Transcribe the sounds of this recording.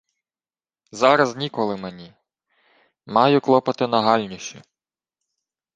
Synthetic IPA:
zɑɾɐznʲikɔlˠɪmenʲi | mɑjʊklˠɔpɐt̪ɪnɐɦɑlʲnʲiʃt͡ʃi

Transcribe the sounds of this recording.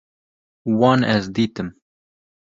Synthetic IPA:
wɑːnɛzd̪iːt̪ɨm

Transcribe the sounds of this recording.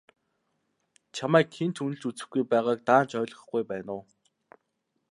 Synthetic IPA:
t͡ɕʰamæːkxʰent̪ʰunɘ̆ɬt͡ɕut͡sɘ̆xɡujpæːʁaːk̚t̪aːn̥t͡ɕœːɮʁə̆χɡujpæːnʊː

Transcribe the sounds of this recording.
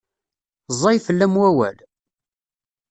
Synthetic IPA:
zˤɑjfəlːæmwæwæ̰l

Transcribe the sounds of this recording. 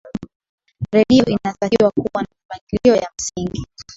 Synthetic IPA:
ɾɛɗiɔʔinataiwakuwanamamaŋɡiliɔjam̩siŋɡi

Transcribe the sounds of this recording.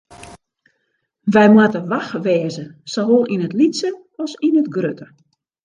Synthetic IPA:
ʋɛjmwatəʋaxʋɛːzəsoɦolˠinətlitsə | ɔsinətɡrøtə

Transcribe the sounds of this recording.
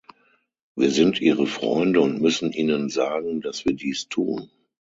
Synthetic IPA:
viːɐzɪntʔiːʁəfʁ̥ɔ̰ʏndəʊntmʏsn̩ʔiːnənzaːɡŋ̩d̥asv̥iːɐdiːstʰuːn

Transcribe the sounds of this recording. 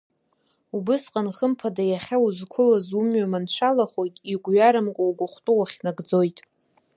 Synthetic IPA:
ubɨsqʼanχəmpʰadajaχʲauzkʷʰʊlazumɥamant͡ʃʷʰalaχojtʼiɡʷɥaɾamkʷʼawɡʷʊχʷtʼuwaχʲnaɡd͡zo̞jtʼ

